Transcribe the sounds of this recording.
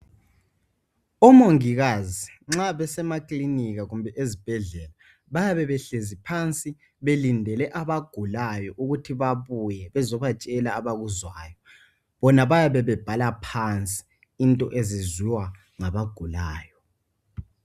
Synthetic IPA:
ɔmoŋiɣaziŋ͡ǁaβɛsɛmakʼliniɣaɣumbʱɛʔezib̥ʱɛɮɛla | βajaβɛβɛɬezipʰant͡sʼi | βelindʱɛlɛʔaβaɡ̥ʱulajɔʔuɣutʰiβaβujɛβɛzɔβat͡ʃʼɛlaːβaɣuzwaːjɔ | βɔnaβajaβɛβɛb̥ʱalapʰant͡sʼi̥ | intʼɔʔeziziwa | ŋaβaɡ̥ʱulaːjɔ

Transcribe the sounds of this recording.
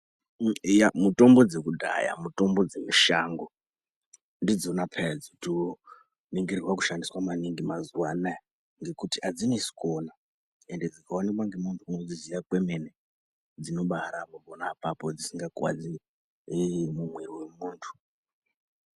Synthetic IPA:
jamuto̞mbo̞d͡ze̞kudʱa̰ja̰muto̞mbo̞d͡zemiʃaːŋɡo | ndid͡zo̞napʰed͡zotio | niŋɡirirwaku̥ʃandiswamaniŋɡimazuwana | ŋɡe̞kutiʔad͡zinesi̥ko̞na | ende̞d͡zikaonek̬waŋɡemuntʰuŋwed͡zizijakweme̞ne | d͡zino̞ɓaɾamobʱonaːpapo̞d͡zisiŋɡakwa̰d͡zi | mumweriwe̞muːntʰu̥

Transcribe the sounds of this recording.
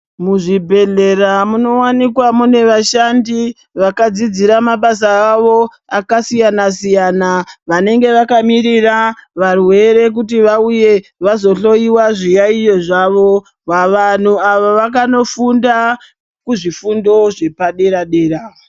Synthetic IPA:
muʐibʱe̞ɮe̞ramuno̞wanikwamune̞ʋaʃandi | ʋakad͡zid͡ziɾamaɓas̬aːʋo̞ | akasijanas̬ijanaʋane̞ŋɡe̞ʋakamiɾiraʋarwe̞ɾe̞k̬utiʋauje̞ʋazo̞ɬo̞iwaʐijaijo̞ʐaʋo̞ | waʋan̤uaʋaʋakano̞funda | kuʐifundo̞ʐe̞paɗe̞ɾaɗe̞ːɾa

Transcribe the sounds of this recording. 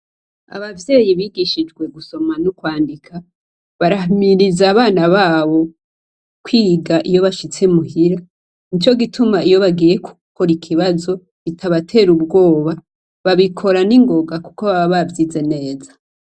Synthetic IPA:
a̰βavjeːjiβiːɡiʃid͡ʒɡwe̞ɡuso̞manukwaːndikʰa | βaɾahmiɾizaːβaːnaβaːβo̞ | kwiːɡaʔijo̞βaʃit͡se̞muhiɾa | nit͡ʃo̞ɡitumaijo̞βaɡiːje̞ku̥kʰoɾikʰiβazo̞ | βitʰaβatʰe̞ːɾubɡo̞ːβa | βaβikʰo̞ɾaniŋɡo̞ɡaku̥ko̞βaβaβavjiːze̞ne̞ːzḁ

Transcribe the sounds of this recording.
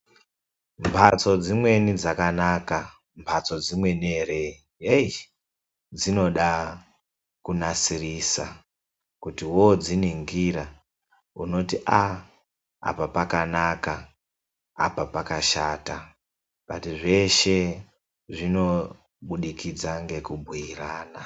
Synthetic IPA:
mbʰʱat͡so̞d͡zimwe̞nid͡zakanaːka | mpʰat͡so̞d͡zimwe̞nere | jei | d͡zino̞ɗa | kunasirisa̰ | kutiwod͡ziniŋɡiɾa | ṵno̞tiʔa | a̰papakanaka̰ː | papakaʃaːta | pa̰tiʐe̞ʃe̞ | ʐino̞ | ɓuɗikid͡zaŋɡe̞kubʱiiraːna

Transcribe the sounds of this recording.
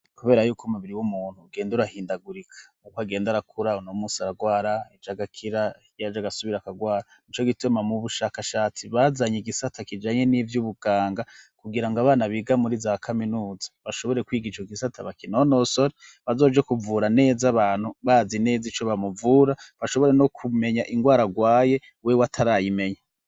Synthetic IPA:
kuβe̞ːɾajuːkumuβiɾiwumuːn̥huːɡe̞ːnduɾahiːndaɡuɾikʰḁukaɡe̞ːndaɾakʰuɾaonomusaɾaɡwaːɾaid͡ʒaɡakʰiɾa | jad͡ʒaɡasuβiɾakaɡwaːɾanit͡ʃo̞ɡitumamuβuʃakaʃaːt͡siβazaɲeɡisatʰakid͡ʒaːɲe̞nivjuβuɡ̥aːŋɡakuɡiɾaŋɡaβaːnaβiɡamuɾizakʰaminuːzaβaʃo̞βo̞ɾe̞kwiːɡid͡ʒaɡisatʰaβakinono̞so̞ɾeβazo̞ːd͡ʒe̞kuvuːɾane̞ːzaβaːn̥huβazine̞ːzit͡ʃo̞βamuvuːɾaβaʃo̞βo̞ɾe̞no̞kʰume̞ɲaʔiŋɡwaːɾaɡwaːje̞ | wewatʰaɾajime̞ɲa

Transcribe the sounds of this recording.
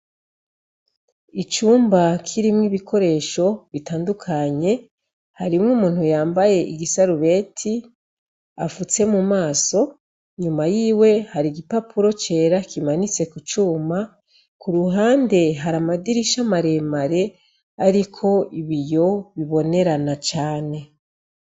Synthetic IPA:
it͡ʃuːmbakʰiɾimŋiβikʰo̞ɾe̞ːʃo̞βitaːndukʰaɲe̞ | haɾimŋuːmuːn̥hujaːmbaje̞ʔiɡisaɾuβe̞ːtʰi | afut͡se̞mumaːso̞ | ɲumajiːwe̞haɾiɡipapuɾo̞t͡ʃe̞ːɾakimanit͡se̞kut͡ʃuːma | kuɾuɦaːnde̞ɦaɾamadiɾiʃamaɾe̞maɾe̞ | aɾikʰo̞iβijo̞βiβo̞ne̞ɾanat͡ʃaːne̞

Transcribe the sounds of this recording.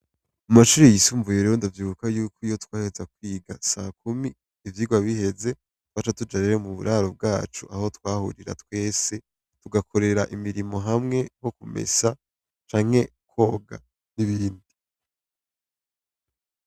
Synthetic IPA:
umaʃuːɾijisuːɱvuje̞ɾeɾondavjiːβukajuːkoijo̞twaːhe̞zakwiːɡasakumiː | vjiːɡwaβihe̞ze̞ | twaːt͡ʃatud͡ʒaɾeɾemuβṵɾʔaɾob̚ɡaːt͡ʃuʔaho̞twaːhṵɾiɾa̰twe̞ːse̞ | tuɡakʰo̞ɾe̞ɾaʔimiɾimo̞ɦamŋe̞ɡo̞kume̞̰sa | t͡ʃaːŋ̥he̞ | kʰo̞ːɡa̰ | niβiːndi

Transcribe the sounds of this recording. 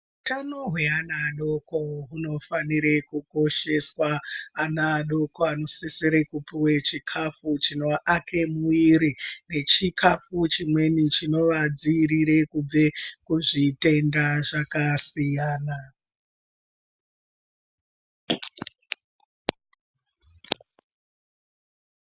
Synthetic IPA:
utanoɦweanaːɗo̞ko̞ɦuno̞faniɾe̞kuko̞ʃe̞swaːnaːɗo̞koano̞siseɾekupiwe̞t͡ʃikʰafut͡ʃino̞ʔakʰemuiɾine̞t͡ʃikʰafut͡ʃimwe̞nit͡ʃino̞ʋad͡ziːɾiɾe̞kub͡ve̞kuʐite̞ndaʐakasijaːna

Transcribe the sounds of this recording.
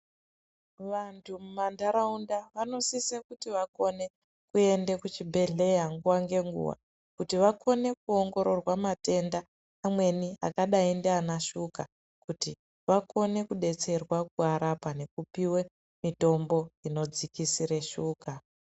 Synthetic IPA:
ʋantʰumumandaɾaundaʋano̞sisekutiʋako̞ne̞ | kue̞ndekut͡ʃibʱe̞ɮe̞jaŋɡuwaŋɡe̞ŋɡṵwa̰ | kutiʋakʰo̞ne̞kuoŋɡo̞ɾo̞rwamate̞ndaː | mwe̞nia̰kaɗaendeanaʃuka | kuti | ʋako̞ne̞kuɗe̞t͡se̞rwakuaɾapane̞kupiwe̞ | mito̞mbo̞ino̞d͡zikisiɾeʃuːka

